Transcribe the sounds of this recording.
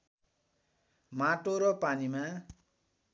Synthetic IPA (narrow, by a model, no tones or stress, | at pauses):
maʈoɾʌpanima